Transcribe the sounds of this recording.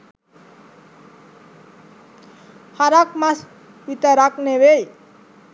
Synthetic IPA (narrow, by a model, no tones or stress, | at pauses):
haɾakmas | bit̪aɾakneβej